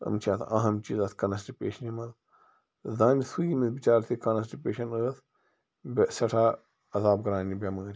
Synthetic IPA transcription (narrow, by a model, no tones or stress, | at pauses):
ɐ̰mt͡ʃʰat̪ʰɐ̰ɦɐmt͡ʃḭːzɐt̪ʰkɐnɐs̬ʈipeːʃɐnimɐd̪ | zaːnisumit̪bit͡ʃaːɾt̪ʰikɐnɐs̬ʈipeːʃɐnɐɣɐt̪ʰ | bʲsɐʈʰaː | ɐzaːb̚ɡɐɾãːnʲibʲɐmɐŋɡɐɾʲi